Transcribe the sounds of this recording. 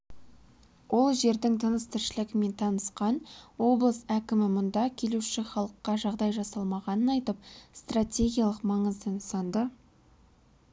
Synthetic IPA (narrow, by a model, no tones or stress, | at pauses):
wʔo̞lˠʒe̞ɾd̪ɪŋt̪ʰənəst̪ʰɪɾʃɪlɪɡʲɪme̞nt̪ʰɑnəsqɑnwo̞blˠəsækʲɪmɪmʊnd̪ɑkʲʰe̞luʃɪχɑlˠəqːɑʒɑʁd̪ɑjʒɑsɑlˠmɑʁɑnənɑjt̪əp̚st̪ratʲe̞ɡʲijalˠəqmɑɴəzd̪ənsɑnd̪ə